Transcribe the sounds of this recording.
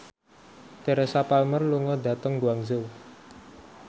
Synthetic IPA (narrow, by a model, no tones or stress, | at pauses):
t̪ɛɾɛsapalmərluŋɔd̪a̤t̪əŋbuaŋzəw